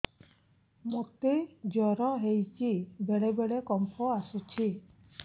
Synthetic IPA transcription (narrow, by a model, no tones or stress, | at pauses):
mot̪ed͡ʒɔɾɔɦejt͡ʃibɛɽɛbɛɽekɔmpʰɔasut͡ʃʰi